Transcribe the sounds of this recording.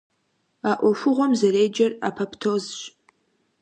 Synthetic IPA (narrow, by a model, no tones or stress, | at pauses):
aʔʷaʂʊʁʷomzɐɾejd͡ʒɐrapʰapʰtʰozʃʼ